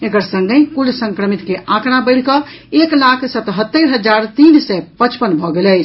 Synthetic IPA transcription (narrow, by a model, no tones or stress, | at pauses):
ekəɾsə̃ŋɡəkulsə̃ŋkɾəmit̪keʔãknabəɪɽ̤kə | eklakʰsət̪ɦət̪ːəɾɦəd͡ʒaɾt̪insɛpət͡ʃpənbʱɔɡelɛt͡ʃʰ